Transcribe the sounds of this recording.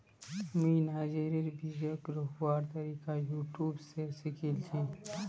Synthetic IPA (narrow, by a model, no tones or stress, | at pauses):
miːnaːd͡ʒeɾiɾbiːd͡ʒjoːkɾuɦwaːɾt̪ɐɾiːkajuːʈjuːbseɾsikʰilt̪ʰi